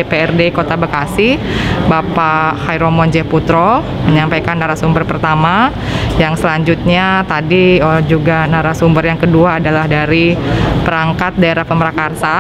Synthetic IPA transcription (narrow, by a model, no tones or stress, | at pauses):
epeɛrdeikot̪abəkasi | bapahajɾomɔnd͡ʒɛput̪ɾɔ | məɲampajkanːaɾasumbərpərt̪ama | jaŋsəlaɲd͡ʒut̪̚ɲat̪adiəd͡ʒuɡanaɾasumbərjaŋkəduaːdalahdaɾipəɾaŋkat̪̚daeɾahpəməɾakarsa